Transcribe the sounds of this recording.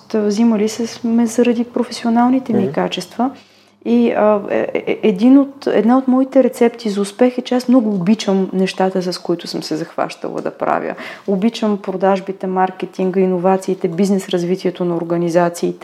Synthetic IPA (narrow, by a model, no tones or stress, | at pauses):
t̪vziməlisɛsmɛzɐɾɐd̪ipɾofɛsionalˠnit̪ɛmikat͡ʃɛst̪və | iə̰ | ɛd̪inot̪ɛ̰d̪naot̪mɔit̪ɛɾɛt̪sɛpt̪izɐʊspɛxɛt͡ʃɛasmnɔɡʊːbit͡ʃəmnɛʃt̪at̪əsɐskoit̪ʊsəmsɛzɐxva̰ʃt̪ə̰lˠə̰d̪ɐ̰pɾa̰vʲjə̰obit͡ʃəmpɾod̪aʒbit̪ɛmaɾkɛt̪iŋɡəinovat̪siːt̪ɛbiznɛsɾɐzvit̪iɛt̪onɐoɾɡənizat̪siːt̪ɛ